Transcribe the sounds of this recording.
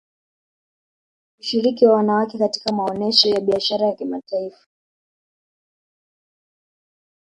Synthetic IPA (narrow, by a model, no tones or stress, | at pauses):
kuʃiɾikiwawanawakɛkati̥kamaɔnɛʃɔjaɓiaʃaɾajakimataifḁ